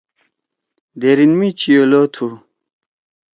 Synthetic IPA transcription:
d̪eɾinmit͡ɕʰijolot̪ʰu

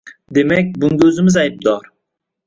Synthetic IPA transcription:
d̪emɛk̚ʲbunɡʲøzɪmɪzɑjp̚d̪ɑːɾ

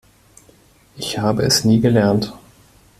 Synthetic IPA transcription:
ʔɪçhaːbəɛsniːɡəlɛɐnt

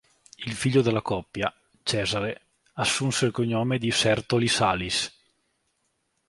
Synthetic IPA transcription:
ilfiʎːod̪elːakɔpːja | t͡ʃɛːzaɾe | asːunselkoɲːoːmed̪isɛrt̪olisalis

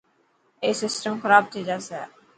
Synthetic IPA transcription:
eːsɪsʈəmxəɾaːb̚t̪ʰiːd͡ʒaːsɛː

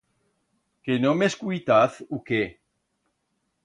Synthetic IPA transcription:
kenomeskujt̪aθuke

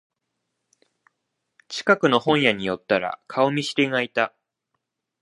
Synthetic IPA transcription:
t͡ɕi̥kakɯ̟no̞hõ̞ɰ̃jaɲ̟ijo̞t̪ːaɾa̰kʰaomʲiɕi̥ɾʲiŋait̪a

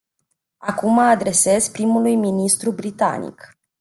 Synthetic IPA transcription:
akumaːd̪ɾe̞se̞zpɾimulujminist̪ɾubɾit̪a̰nḭk

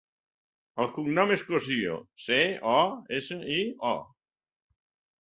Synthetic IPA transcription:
əlˠkuŋnɔmeskosio̰seɔesəiɔ̰

